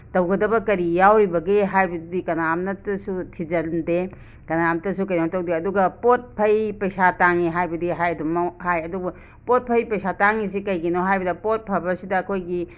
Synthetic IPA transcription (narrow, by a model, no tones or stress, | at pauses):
tɐwɡɐdɐbɐkɐɾijawɾibɐɡeɦajbɐdikɐnamnɐtɐsutʰid͡ʒɐlde | kɐnamtɐsukɐjnamtɐwdeɐduɡɐpot̚pʰɐjpɐjsataŋiɦajbɐdiɦajɐdumɐhajɐdubɐ | pot̚pʰɐjpɐjsataŋis̬ikɐjɡinoɦajbɐdɐpot̚pʰɐɾbɐsidɐːkʰojɡi